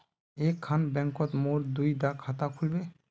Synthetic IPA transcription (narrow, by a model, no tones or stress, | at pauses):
ekʰːanbɛŋkɔt̪moɾd̪ujd̪akʰat̪akʰulbe